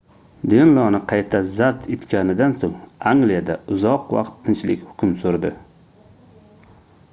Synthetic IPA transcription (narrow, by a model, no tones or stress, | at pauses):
d̪enlˠɒnɪqʰɑjt̪ʰazat̪et̪kʲanɪd̪ansoŋaŋɡlijad̪aʊzɒqwɑ̰qt̪ʰːɪnt͡ʃlɪ̰kʲhʊ̥kʲʰʊmsoɾd̪ɪ